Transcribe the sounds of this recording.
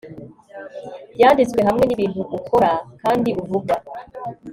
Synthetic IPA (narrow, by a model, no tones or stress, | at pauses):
jaːndit͡sweɦamŋe̞niβiːnthuʔukʰo̞ɾakaːndiʔuvuɡa